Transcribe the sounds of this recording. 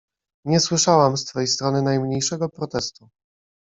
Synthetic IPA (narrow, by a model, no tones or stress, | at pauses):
ɲɛswɘʂawamst̪fɛjst̪ɾɔnɘnajmɲejʂɛɡɔpɾɔt̪ɛst̪u